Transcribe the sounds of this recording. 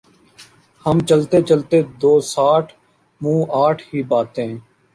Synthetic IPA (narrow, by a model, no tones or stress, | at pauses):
həmt͡ʃəlt̪eːt͡ʃəlt̪eːd̪oːsaːʈʰ | mũːʔaːʈʰɦiːbaːt̪ẽː